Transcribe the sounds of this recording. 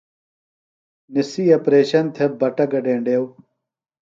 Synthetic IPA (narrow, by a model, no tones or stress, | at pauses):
nisiːɐpɾeːɕɐnt̪ʰɐbɐʈɐɡɐɖẽːɳɖeːw